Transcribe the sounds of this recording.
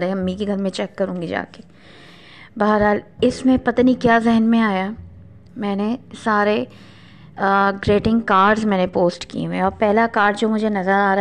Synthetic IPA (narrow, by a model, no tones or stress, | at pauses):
ɾẽɦɐmːĩkiɡʱɐɾmẽt͡ʃɛːkːɐɾũːŋɡid͡ʒa̰ːke̥ | baːəɾɦaːlɪsmẽpɐt̪anikjaːzɪɦənmẽaːja | mɛ̃ːnesaːɾe | ɡɾeːʈɪ̃ŋɡkaːɾɖzmɛ̃ːnepoːsʈkḭẽɔːɾpɛɦlakaːɾɖd͡ʒoːmʊd͡ʒʱenɐzəɾaːɾa